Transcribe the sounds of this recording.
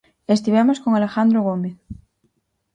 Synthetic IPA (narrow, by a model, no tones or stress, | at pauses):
est̪iβemoskoŋale̞xand̪ɾoɣomeθ